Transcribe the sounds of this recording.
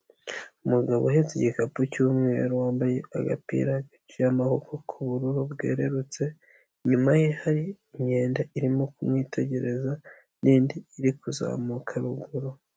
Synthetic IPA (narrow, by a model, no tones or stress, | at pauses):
umuɡaβo̰ɦezeɟikapucumŋeɾuwaːmbaje̞aɡa̰pḭɾaɡit͡ʃujamahokokʰuβuɾuɾubɡḛːɾe̞ɾut͡se̞ | ɲumaje̞haɾiː | ɲe̞ːndaʔiɾimo̞kumŋiːtʰe̞ɟe̞ɾe̞za | niːndiːɾikuza̰ːmukʰaɾuɡuɾo